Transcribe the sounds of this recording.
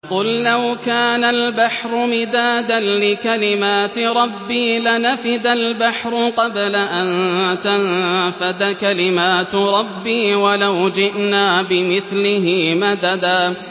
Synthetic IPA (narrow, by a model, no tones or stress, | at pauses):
qʊlːawkaːnalbaħɾˤʊmɪd̪aːd̪anlɪkalɪmaːt̪ɪɾˤɑbːiːlanafɪd̪albaħɾˤʊqɑblaʔant̪anfad̪akalɪmaːt̪ɾˤɑbːiːwalawd͡ʒɪʔnaːbɪmɪθlɪɦɪmad̪ad̪aː